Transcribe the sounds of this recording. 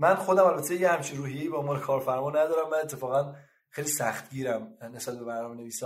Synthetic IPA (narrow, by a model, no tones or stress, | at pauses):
mænxo̞d̪æmælbæt̪ʰːejehæmt͡ʃʰinruːhije̞jiːbɒmbɒːɾekʰɒːɾfæɾmɒːnæd̪ɒːɾæmːænet̪ʰːe̞fɒːɣæn | xejliːsæxt̪ɟiːɾæmnesbæt̪̚be̞mæɾnɒːmene̞viːsɒ